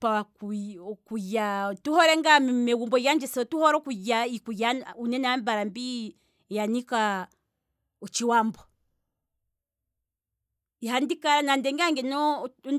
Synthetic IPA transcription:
pawakukujatuhɔɾɛŋɡammɛɡumbɔjand͡ʒɛsɔtuhɔɾɔkujaikujaunɛnambaɾambi | janika | ɔt͡ʃiwambɔ | ihandikaɾanandɛŋɡaŋɡɛnɔ

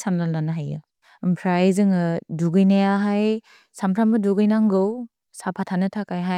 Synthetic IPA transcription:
sanlaldanaɦajɯ | ɯmpʰɾajzɯŋɯduɡɯjnajaɦaj | sampʰɾambɯduɡɯjnaŋɡɯw | sapʰatʰanɯtʰakajɦa

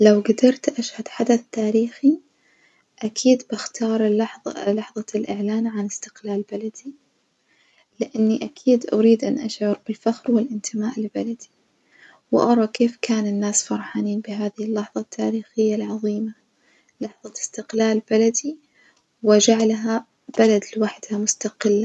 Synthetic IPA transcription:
lawɡad̪ɑɾˤt̪ʔaʃhad̪ħad̪aθt̪ːaːɾiːxi | ʔakʰiːd̪bɪxt̪ʰɑːɾˤlɑħðˤlɑħðˤɑlʔɪʕlaːnʕanɪst̪ɪ̥qlaːlbalad̪i | lɪʔanːiʔakʰiːd̪ʔaɾiːd̪ʔanʔaʃʕʊɾbɪlfaxɾwɪlʔɪnt̪ʰɪmaːʔɪlbalad̪i̥ | wʔɑ̰ɾˤɑkeːfkaːnɪnːaːsfɑɾˤħaːniːnbɪɦaːðɪhɪlːɑħðˤɑt̪ʰːaːɾiːxɪjːalʕɑðˤiːma | lɑħðˤɑst̪ɪqlaːlb̥alad̪i | wɪd͡ʒaʕlɦa | b̥alad̪lwaħd̪hamʊst̪aqɪlːa

